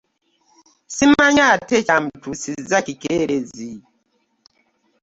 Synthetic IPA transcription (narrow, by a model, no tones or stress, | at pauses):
simaɲatet͡ʃam̩tusizakikeɾezi